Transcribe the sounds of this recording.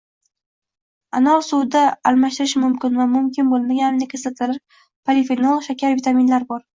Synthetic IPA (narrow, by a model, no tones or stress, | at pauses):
anɒsud̪aːlˠmaʃt̪ɪɾɪʃmʊmkʲɪnvamʊmkʲɪnbolˠɪmaɡʲannɪkʲʰezɪlt̪ʰɪɾɪɾ | pʰalifinolˠʃakʲaɾvit̪ʰamɪnlaɾbɒɾ